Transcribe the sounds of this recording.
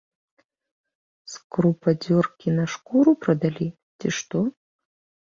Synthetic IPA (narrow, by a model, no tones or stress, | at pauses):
skrupʰɐd͡zʲorkʲinɐʂkuɾuprɐd̪ɐlʲi | tʲiʂt̪o